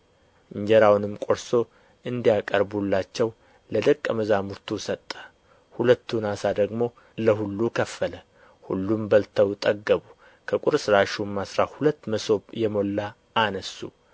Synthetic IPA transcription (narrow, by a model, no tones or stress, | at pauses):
ɨɲd͡ʒɛɾawnɨmkʼo̞ɾso̞ | ʔɨnd̪ijakʼəɾbulːat͡ʃːɛw | ləd̪əkʼːəməzamuɾt̪ʰusət̪ʼːə̥ | hulət̪ːunasad̪əɡmo̞ | ləɦulːukʰəfːələ | hṵlːumbəlt̪ʰəwt̪ʼəɡːəβu | kʰəkʼʊɾsɨɾaʃumːasɾahulət̪ːməso̞jɛmo̞lːaː | nəsːṵ